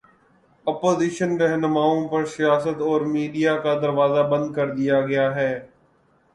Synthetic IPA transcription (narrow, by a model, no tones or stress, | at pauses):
ɐpoːziːʃənɾɛɦnʊmaːõpɐɾsijaːsət̪ɔːɾmiːɖijakad̪əɾʋaːzabə̃nd̪̚kɐɾd̪ijaɡɐjaːɦɛː